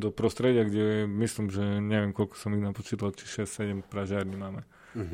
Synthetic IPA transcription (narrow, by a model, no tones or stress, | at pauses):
d̪ɔpɾɔst̪ɾɛɟɪaɡɟɛmislimʒɛɲɛʋɪɛmkɔlkɔ̥sɔmiɣnapɔt͡ʃiːt̪alt͡ʃiʃɛssɛɟɛmpɾaʒaːɾɲimaːmɛ